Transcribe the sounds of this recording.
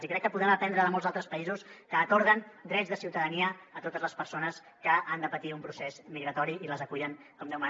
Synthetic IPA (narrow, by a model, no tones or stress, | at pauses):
zikɾɛkːəpuðɾaməpɛnd̪ɾəðəmolˠzat̪ɾəspəizuskəːkɔɾðənd̪ɾɛd͡zzðəsiwt̪əðəniəːt̪ot̪əzləspəɾsonəs | kəʔand̪əpət̪iumpɾusezmiɣɾət̪ɔɾiiləzəkuʎəŋkɔmd̪ɛwma